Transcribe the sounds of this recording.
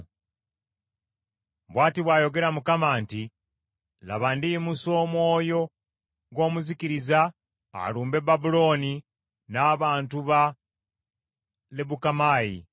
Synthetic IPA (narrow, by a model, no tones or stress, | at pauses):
βwaːtiβwajo̞ɡe̞ɾamukamaːnti | la̰βandimuso̞ːmwo̞ːjo̞ | ɡo̞ːmuzikiɾiza | a̰luːmbe̞babulo̞ːni | naːβaːntuβa | leβukamaːjḭ